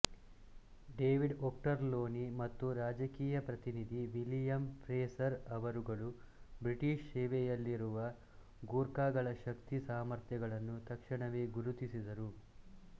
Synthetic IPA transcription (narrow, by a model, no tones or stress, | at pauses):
ɖeːʋiɖoːk̚ʈɐɾloːnimɐt̪ːuɾaːd͡ʒɐkiːjɐpɾɐt̪inid̪ʱiʋilijɐmpɾeːsɐɾɐʋɐɾuɡɐɭu | bɾiʈiːʃsɛːʋɛjɐlːiɾuʋɐ | ɡuːɾkaːɡɐɭɐʃɐkt̪isaːmɐɾt̪jɐɡɐɭɐnːut̪ɐkʂɐɳɐʋeːɡuɾut̪isid̪ɐɾu